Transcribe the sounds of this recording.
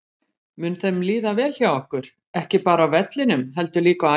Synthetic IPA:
mʏːnθemliːðavɛːlçjawɔhkʏɾ̥ | ɛhcɪpaːɾaawvɛt̪lɪnʏmɦɛlt̪ʏliːkawa

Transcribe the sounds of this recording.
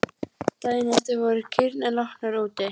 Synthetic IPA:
t̪aːjnast̪ɪvɔɾɪcʰɪɾnɛnlɔhknaɾuːt̪ɪ

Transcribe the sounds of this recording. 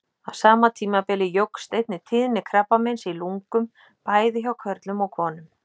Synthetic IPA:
awsaːmat̪ʰiːmapɛlɪjowkst̪ejt̪̚nɪt̪ʰɪðnɪkʰɾapːamejnsiluŋkʏm | paːjðɪçawkʰœɾt̪lʏmɔwkʰvɔːnʏm

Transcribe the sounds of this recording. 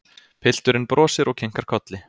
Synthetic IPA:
pʰɪl̥t̪ʏɾɪnpɾɔːsɪɾɔɣcʰejŋ̥kaɾ̥kʰɔt̪lɪ

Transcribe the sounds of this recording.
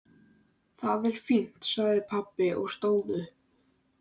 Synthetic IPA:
θaðɛɾ̥fin̥t̪saɣðɪpʰapːɪʔɔɣst̪oːwðʏ

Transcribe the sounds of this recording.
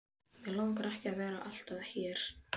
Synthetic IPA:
mɛðlawŋkɾɛhcɪavɛːɾaʔal̥t̪aðhjɛːɾ̥

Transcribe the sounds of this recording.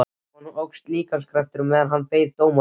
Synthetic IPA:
ɔnhuowkst̪liːkanskɾaft̪ɪɾʏmvɛːðanɦanːpeːjðt̪oːwma

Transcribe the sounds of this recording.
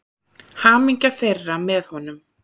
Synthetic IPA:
haːmiɲcaθejrːamɛðhɔnʏm

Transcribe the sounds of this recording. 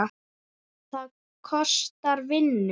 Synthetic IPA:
θað | kʰɔst̪aɾvɪnːʏ

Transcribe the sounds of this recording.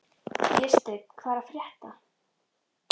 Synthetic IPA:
jɛst̪ejtkʰvaːɾafɾjɛht̪a

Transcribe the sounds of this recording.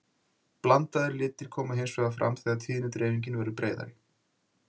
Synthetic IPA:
plant̪aðɪɾlɪːt̪ɪɾ̥kʰɔːmaɦejmsvɛɣafɾa̰mθɪɣaðt̪ʰiːðɪnʏt̪ɾeːjviɲcɪnvɛːɾʏɾpɾeːjða̰ɾɪ

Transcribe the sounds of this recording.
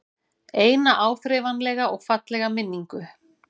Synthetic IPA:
eːjnaʔaːwθɾɪːvanlɛɣaʔɔɣfat̪lɛɣamɪnːiŋkʏ

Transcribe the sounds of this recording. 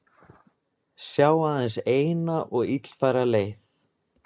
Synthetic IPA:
sjaːwaðɛnseːjnaʔɔɣit̪l̥faːɾaleːjθ

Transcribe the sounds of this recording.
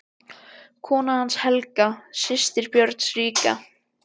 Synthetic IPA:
kʰɔːnahanshɛlkasɪst̪ɪɾpjœɾt̪n̥sriːka̰

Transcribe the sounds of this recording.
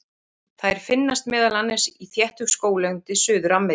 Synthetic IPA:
θajɾ̥fɪnːast̪mɛːðalanːɛsiθjɛht̪ʏxskoːwlœŋnt̪ɪsʏːðʏɾamːɪ

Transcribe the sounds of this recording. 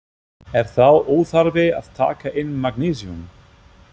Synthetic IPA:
ɛɾ̥θawoːwθaɾvɪa̰ð̥t̪ʰa̰ːkaʔɪnːmaknɪːsjum

